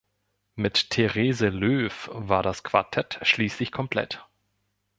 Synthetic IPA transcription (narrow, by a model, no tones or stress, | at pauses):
mɪttʰeʁeːzəløːfvaːɐdaskv̥a̰ɐtʰɛtʃliːslɪçkʰɔmpʰl̥ɛ̰t